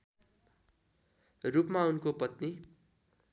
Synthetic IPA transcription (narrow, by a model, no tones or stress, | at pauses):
rupmaunkopʌt̪ni